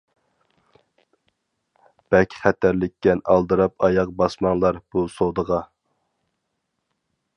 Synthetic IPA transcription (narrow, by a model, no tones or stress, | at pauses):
b̥ɛkʲʰχæt̪ʰæɾlɪkʲːɛnɑlˠd̪ɨɾɑp̚ʰɑjɑq̚bɑsmɑŋlˠɑɾb̥usod̪əʁɑ